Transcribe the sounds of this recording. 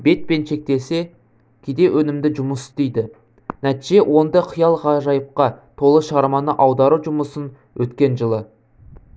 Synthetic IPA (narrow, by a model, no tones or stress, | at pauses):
be̞t̪̚pe̞nʃe̞k̚t̪e̞se̞ | kʲʰed̪e̞wʔɵnɪmd̪ɪʒʊməsɪ̥st̪ejd̪ɪ | næt̪iʒe̞wʔo̞nd̪ɑqʰəjɑlˠʁɑʒɑjəp̚qɑt̪ʰo̞lˠəʃəʁɑɾmɑnəʔɑwd̪ɑɾuʒʊməsən | wʔɵt̪kʲe̞nʒəlˠə